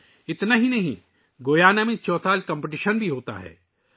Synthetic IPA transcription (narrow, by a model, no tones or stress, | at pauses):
ɪt̪naɦinɐɦḭ̃ | ɡoːjaːnamẽt͡ʃɔːt̪aːlkɐ̃mpeʈiʃənbʱiɦoːt̪a̰ɦɛ̰ː